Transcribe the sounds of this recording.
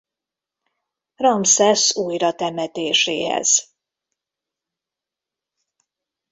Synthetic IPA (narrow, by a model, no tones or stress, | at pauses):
rɒmsɛsuːjrɒt̪ɛmɛt̪eːʃeːɦɛ̰z̥